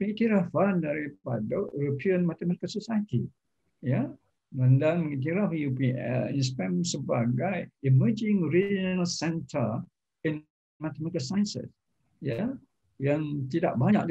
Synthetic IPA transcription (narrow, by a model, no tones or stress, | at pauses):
məit̪iɾafandaɾipa̰daoɾopʰiənmat̪ɛmat̪ikəsosajət̪i | ja | məndaŋməit̪̬iɾafjupiɛ̰ĩns̬pɛ̃msəbaɡajiməd͡ʒɪ̃ŋoɾid͡ʒnəlsɛ̃ntʰə̰ | ĩn | mat̪ɛmat̪kəsaj̃nsə̰s | ja | jaŋt̪ida̰ʔ̚baɲa̰ʔ̚